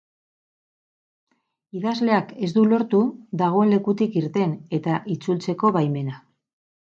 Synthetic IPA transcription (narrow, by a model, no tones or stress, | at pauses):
iðazle̞ake̞zd̪ulo̞ɾt̪uðaɣ̞o̞e̞nle̞kut̪ikiɾt̪e̞ne̞t̪aʔit͡sult͡se̞ko̞βajme̞na